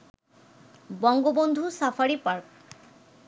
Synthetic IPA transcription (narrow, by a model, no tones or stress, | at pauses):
bɔŋɡobond̪ʱusafʰaɾipaɾk